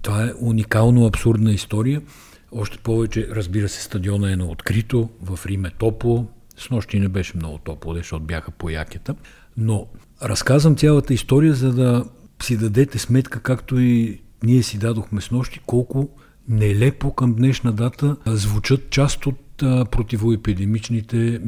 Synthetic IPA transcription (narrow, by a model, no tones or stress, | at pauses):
t̪ovaɛʔunikalˠnoɐpsuɾd̪nəist̪ɔɾijə | ɔʃt̪ɛ̥pɔvɛt͡ʃɛɾɐzbiɾəsɛ̥st̪ɐd̪iɔnəɛnɐot̪kɾit̪ovɐfɾimɛt̪ɔplˠo | snɔʃt̪inɛbɛʃɛmnɔ̰ɡʊt̪ɔplˠod̪ɛʃt̪ɔt̪bjaxəpoja̰kʲət̪ə | no | ɾɐskazvɐmt̪sʲalˠɐt̪əist̪ɔɾijəzɐd̪ɐ | sid̪ɐd̪ɛt̪ɛsmɛt̪kəkakt̪oiniɛsid̪ad̪oxmɛsnɔʃt̪i̥kɔlˠkʊ | nɛlɛpokɐmd̪nɛʃnɐd̪at̪əzvut͡ʃɤt̪̚t͡ʃast̪ot̪pɾot̪ivoɛpid̪ɛmit͡ʃnit̪ɛ